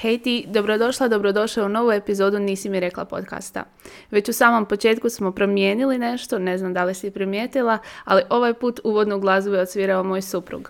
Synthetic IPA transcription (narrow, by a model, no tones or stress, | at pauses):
hejt̪id̪o̞bɾo̞d̪o̞ʃlˠad̪o̞bɾod̪o̞ʃlauno̞ʋue̞pizo̞ːd̪uniːsimiɾe̞klˠa̰po̞̰t̪ka̰ːst̪a̰ | ʋe̞t͡ɕusaːmo̞mpo̞t͡ʃe̞ːt̪kusmo̞pɾo̞mje̞ːniline̞ʃt̪o̞ne̞znamd̪alisipɾimjeːt̪ilˠaaliʔo̞ʋajpuːt̪uʋo̞d̪noɡlˠazuʋeosʋiːɾaomo̞ːjsupɾṵɡ